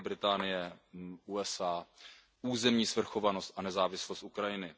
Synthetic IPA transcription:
bɾɪt̪aːnɪjɛʔuɛsaː | ʔuːzɛmɲiːsvr̩xo̞vanost̪ʔanɛzaːvɪslost̪ʔukɾajɪnɪ

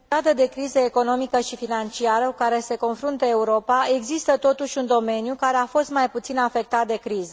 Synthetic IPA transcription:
ad̪əd̪e̞kɾizəeko̞no̞mikəʃifinant͡ʃiaɾəkukaɾe̞se̞ko̞nfɾunt̪əe̞uɾo̞pae̞ɡzist̪ət̪o̞t̪uʃʲund̪o̞me̞njukaɾe̞afo̞st̪majput̪sinafe̞k̚t̪at̪̚d̪e̞kɾizə

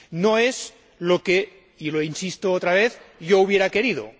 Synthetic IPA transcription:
noez | loke | iloinsist̪oot̪ɾaβ̞eθʝouβ̞jeɾake̞ɾið̞o̰

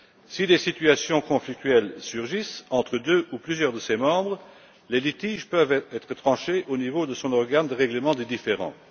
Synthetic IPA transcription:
sid̪esit̪yasjɔ̃kɔ̃flik̚t̪ɥɛlsyʁʒisɑ̃t̪χəd̪øʔuplyzjœːʁd̪əsemɑ̃ːbʁə | lelit̪iːʒpœvɛɛt̪χət̪χɑ̃ʃeʔonivod̪əsɔ̃nɔʁɡand̪əʁɛɡləmɑ̃d̪ed̪ifeʁɑ̰̃

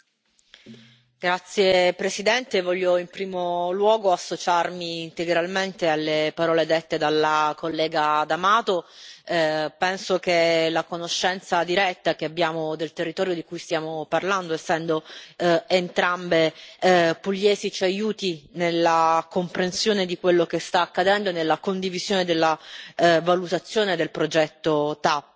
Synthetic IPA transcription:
ɡ̥ɾat̪sːjepɾesid̪ɛnt̪evɔʎːoimpɾiːmolwɔːɡoasːot͡ʃarmiːnt̪eɡɾalment̪ealːepaɾɔːled̪et̪ːed̪alːakolːɛːɡad̪amaːt̪o | pɛnsok̟elakonoʃːɛnt̪sad̪iɾɛt̪ːak̟eabːjaːmod̪elt̪erːit̪ɔːɾjod̪ikujst̪jaːmoparland̪oesːɛnd̪o | ent̪ɾambe | puʎːɛːzit͡ʃajuːt̪inelːakompɾensjoːned̪ikwelːokest̪aːkːad̪ɛnd̪oenelːakond̪iviz̥joːned̪elːa | valut̪at̪sːjoːned̪elpɾod͡ʒɛt̪ːot̪a

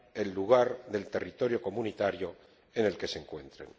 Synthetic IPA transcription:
e̞lːuɣaɾðe̞lt̪erit̪o̞ɾjo̞ko̞munit̪aɾjo̞ | ene̞lke̞seŋkwe̞nt̪ɾḛn

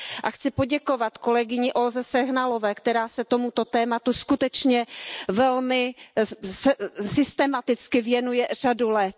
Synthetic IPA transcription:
ʔaxt͡sɪpo̞ɟɛko̞vat̪ko̞lɛɡɪɲɪʔo̞lzɛsɛɦnalo̞vɛːkt̪ɛɾaːsɛt̪o̞mut̪o̞t̪ɛːmat̪uskut̪ɛt͡ʃɲɛvɛlmɪ | sɛsɪst̪ɛmat̪ɪt͡skɪvjɛnujɛr̝̥adulɛt̪̚

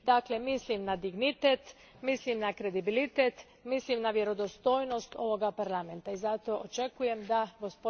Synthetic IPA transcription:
d̪aːklemislimnad̪iɡnit̪et̪ | mislimnakɾe̞d̪ibilit̪et̪ | mislimnaʋje̞ɾo̞d̪o̞st̪o̞ːjno̞st̪o̞ʋo̞ɡapaɾlˠame̞nt̪aizat̪o̞ʔot͡ʃe̞kuje̞md̪aɡospo

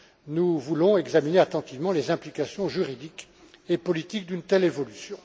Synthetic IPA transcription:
nuvulɔ̃ɛɡzamineat̪ɑ̃t̪ivmɑ̃lezɛ̃plikasjɔ̃ʒyʁid̪ik | epɔlit̪ik̚d̪ynt̪ɛlevɔlysjɔ̃

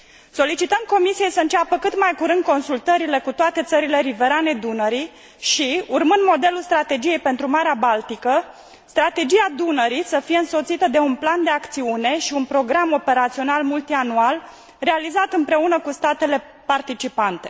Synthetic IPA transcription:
so̞lit͡ʃit̪əmko̞misije̞jsəɨnt͡ʃapəkɨt̪majkuɾɨnd̪̚ko̞nsult̪əɾile̞kut̪oat̪e̞t̪səɾile̞ɾive̞ɾane̞d̪unəɾi | ʃiurmɨnd̪mo̞d̪e̞lulst̪ɾat̪e̞d͡ʒije̞jpe̞nt̪ɾumaɾeabalt̪ikə | st̪ɾat̪e̞d͡ʒiad̪unəɾisəfije̞ɨnso̞t̪sit̪əd̪e̞unpland̪e̞akt̪siune̞ʃiunpɾo̞ɡɾamo̞pe̞ɾat̪sio̞nalmult̪ianual | re̞alizat̪ɨmpɾe̞unəkust̪at̪e̞le̞ | part̪it͡ʃipant̪e̞

